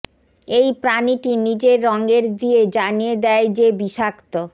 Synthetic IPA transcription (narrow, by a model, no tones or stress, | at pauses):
ejpɾaniʈinid͡ʑeɾːɔŋɡeɾd̪ied͡ʑanijed̪ɛed͡ʑebiʃakt̪o